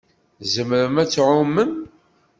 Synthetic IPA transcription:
zəmɾəmæt͡sːʕʊmːəm

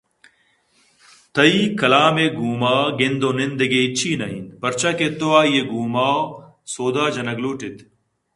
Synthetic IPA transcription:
t̪ʰɐiːkɐlaːmeɡuːmaːɡend̪onind̪ɐɡet͡ɕʰiːnɐḭnpɐɾt͡ɕʰɐket̪oaːjeɡuːmaː | soːd̪aːd͡ʑɐnɐɡluːʈit̪

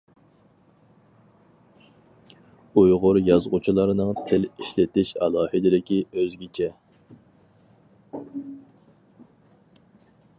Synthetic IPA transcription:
ujʁʊɾjɑzʁʊt͡ʃʰilˠɑɾnɨŋt̪ʰɪliʃlɪt̪ɪʃɑlˠɑːhɪd̪ɪd̪ɪkʲiøzɡʲit͡ʃʰɛ

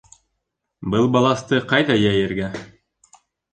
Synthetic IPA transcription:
bɤlˠbɑlˠɑst̪ɤqɑjðɑjæjɘ̆ɾɡæ

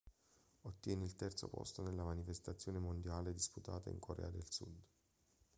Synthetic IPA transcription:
ot̪ːjɛːneilt̪ɛrt̪so̰pɔ̰st̪onelːamanifest̪at̪sːjoːnemond̪jaːled̪isput̪a̰ːt̪a̰ḭŋkʰoɾʔɛ̰ːad̪elsṵd̪

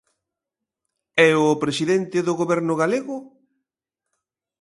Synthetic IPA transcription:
ɛʊpɾesiðent̪ɪðʊɣoβɛɾnʊɣaleɣʊ

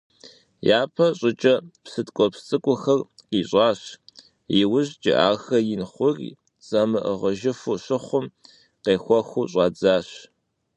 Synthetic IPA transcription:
jaːpʰɐɕʼɪt͡ʃʼɐpsɨtkʷʼɔpst͡sʼɨkʷʼʊxɐrqiːɕʼɑːɕ | jɪwʊʑd͡ʒɪ̰ʔa̰ːxɐjɪnχʷʊr | t͡sʼɐmɨʔəʁɐʒɪfʊɕɪχʷʊm | qeːxʷɔxʷuɕʼɑːd͡zaːɕ

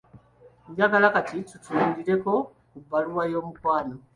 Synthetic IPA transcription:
ɲɟaɡalakatitutuɲɟiɾe̞ko̞ | kubːaluwajo̞ːmukwaːno

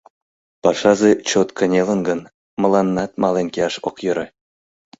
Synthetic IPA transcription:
pɑʂɑzet͡ɕot̪kə̆nʲelə̆nɡə̆n | mɤ̆lˠɑnːɑt̪mɑlenkʲeɑʃokjɤ̆ɾĕ

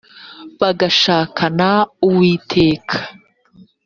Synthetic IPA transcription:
βaɡaʃaːkʰanauwiːtʰe̞ːkʰḁ

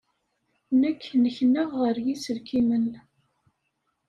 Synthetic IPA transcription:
nəkʰːnəçnəʁːəɾjisəlkimən

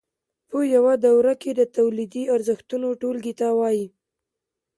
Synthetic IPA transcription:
pəjawad̪awɾaked̪ət̪awlid̪iaɾzəxt̪unoʈolɡit̪awɑji

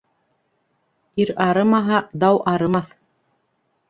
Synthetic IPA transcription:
iɾɑɾɤ̆mɑɦɑd̪ɑwʔɑɾɤ̆mɑθ

